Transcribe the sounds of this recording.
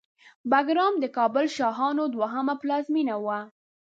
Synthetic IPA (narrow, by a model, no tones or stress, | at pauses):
baɡɾɑmd̪əkɑbʊlʃɑɦɑnod̪waɦamaplɑzminawa